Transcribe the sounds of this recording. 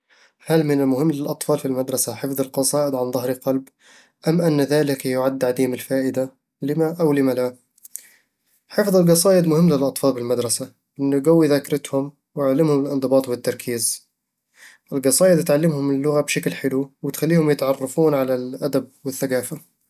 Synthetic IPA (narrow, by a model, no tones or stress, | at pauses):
halmɪnɪlmʊhɪmːlɪlʔɑt̪ˤfɑːlfilmad̪ɾˤɑsaħɪfðˤɨlqɑsˤɑːʔɪd̪ʕanðˤɑhɾɪqɑlb | ʔamːʔanːðaːlɪkjʊʕad̪ːʕad̪iːmɪlfaːʔɪd̪a | lɪmaʔawlɪmala | ħɪfðˤɪlɡɑsˤɑːʔɪd̪mʊhɪmːlɪlʔɑt̪ˤfɑːlbɪlmad̪ɾˤɑsa | ʔɪnːʊɡawːiðakɾˤɪt̪hʊm | wɪʕalːɪmhʊmɪlʔɪnd̪ˤɨbɑːt̪ˤbɪt̪ːɑɾˤkʰiːz | ʔɪlɡɑsˤɑːʔɪd̪t̪ʕalːɪmhʊmɪlːʊɣabʃaklħɪluwɪt̪xalːiːhʊmjɪt̪ʕɑrˤːɑfuːnʕalalʔad̪ab̚wɪθːaɡaːfa